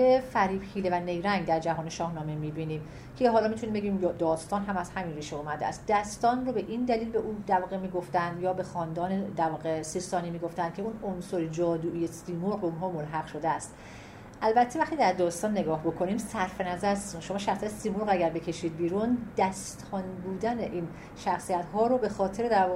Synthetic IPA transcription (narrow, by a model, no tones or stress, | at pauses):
befæɾiːbhiːlevæne̞jɾæŋɡd̪æɾd͡ʒæɦɒːneʃɒːhnɒːmemiːbiːniːm | cʰeɦɒːlɒːmit̪ʰuniːmbeɡʲiːmjd̪ɒːst̪ɒːnɦæmæz̥hæminriːʃeuːmæd̪eæ̰st̪̚d̪æst̪ɒːnrobe̞ʔind̪æliːlbeʔuːd̪æɾvɒːɣemiːɡoft̪ænd̪jɒːbe̞xɒːnd̪ɒːned̪æɾvɒːɣesist̪ɒːniːmiːɡo̞ft̪ænd̪̥̚cʰe̞unonsoɾed͡ʒɒːd̪uːʔijest̪iːmolʁounɦɒːmolɦæɣʃo̞d̪eæst̪ | ʔælbæt̪ʰːevæχt̪iːd̪æɾd̪ɒːst̪ɒːnːeɡɒːhbo̞kʰo̞niːmsæɾfe̞næzæɾsnʃo̞mɒːʃæxsiæt̪simolʁæɟæɾbecʰe̞ʃiːd̪̚biːɾund̪̥æst̪ʰɒnbuːd̪æneʔin | ʃæxsijæt̪ɦɒːɾobe̞xɒːt̪ʰe̞ɾed̪æɾvɒː